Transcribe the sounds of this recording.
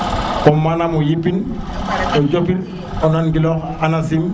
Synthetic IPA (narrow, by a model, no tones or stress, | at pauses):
kɔmːanamojipin | ɔd͡ʒopiɾ | ɔnanɡilɔkanasim